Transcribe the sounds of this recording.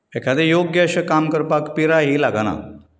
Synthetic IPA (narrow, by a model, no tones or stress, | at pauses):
ekʰad̪ejoɡjəɕəkamkəɾpakpiɾaɦilaɡana̰